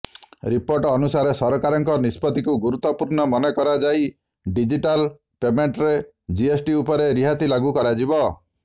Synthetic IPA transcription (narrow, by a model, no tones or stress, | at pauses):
ɾipoɾʈɔːnusaɾesɔɾɔkaɾɔŋkɔnispɔt̪ikuɡuɾut̪ːɔpuɾnɔmɔnekɔɾad͡ʒaj | ɖid͡ʒiʈal | pemeɳʈɾe | d͡ʒiesʈiupɔɾeɾiɦat̪ilaɡukɔɾad͡ʒibɔ